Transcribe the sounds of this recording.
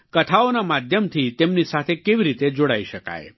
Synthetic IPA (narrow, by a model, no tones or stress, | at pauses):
kət̪ʰaonamad̪ʱjəmt̪ʰit̪emnisat̪ʰekeʋiɾit̪ed͡ʒoɽaiʃəka̰e